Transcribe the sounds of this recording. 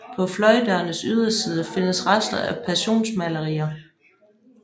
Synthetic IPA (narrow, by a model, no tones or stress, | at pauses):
pʰɒ̽flɒ̽ɪd̥əːnəsyð̞ˠɐsiːð̞ˠəfe̝nəsʁasd̥ɐæpʰæɕo̝̰ːnsmæləʁḭːɐ